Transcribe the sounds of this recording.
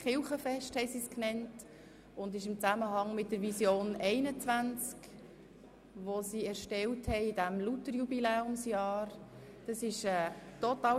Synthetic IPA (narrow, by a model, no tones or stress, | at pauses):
χɪlχəfɛʃthɛɪsisknɛnt | ʊndɪʃɪmt͡sæməɦɑŋmɪt̚d̥əɾvisjoːnɛɪnət͡sʋænt͡sk | ʋosiɛɾʃtɛlthɛɪɪdæmlutəɾjubilɛːʊmsjɑːɾ | d̥ɑsɪʃɛːtɔtɑː